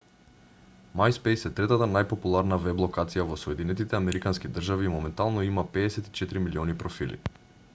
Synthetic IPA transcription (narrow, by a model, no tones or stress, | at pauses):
majspejsɛt̪ɾɛt̪at̪anajpopulˠaɾnavɛblˠɔkat̪sijavɔsoɛd̪inɛt̪it̪ɛamɛɾikanskid̪r̩ʒaviːmɔmɛnt̪alˠnɔimapɛːsɛt̪i̥t͡ʃɛt̪ɾimiliɔnipɾɔfilḭ